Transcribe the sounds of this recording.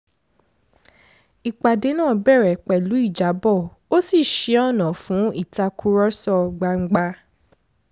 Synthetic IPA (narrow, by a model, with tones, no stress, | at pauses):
i˨k͡pa˨de˨˦nãː˦˨bɛ˦˨ɾɛ˨k͡pɛ˨lu˨˦i˦˨d͡ʒa˨˦bɔ˦˨ | o˦si˦˨ʃe˨˧ɔ˦˨nã˨fũ˨˦i˦˨ta˧kʰu˧˦ɾɔ˦sɔ˦˨ɡ͡ba˧ŋ͡m̩˦ɡ͡ba˧